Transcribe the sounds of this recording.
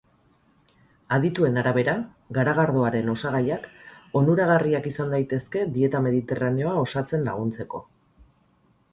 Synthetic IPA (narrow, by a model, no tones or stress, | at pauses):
aðit̪ue̞naɾaβ̞e̞ɾa | ɣaɾaɣ̞aɾðo̞aɾe̞no̞saɣajako̞nuɾaɣ̞ariakisand̪ajt̪e̞ske̞d̪ie̞t̪ame̞ð̞it̪e̞raneo̞ao̞sat͡se̞nla̰ɣ̞unt͡se̞ko̞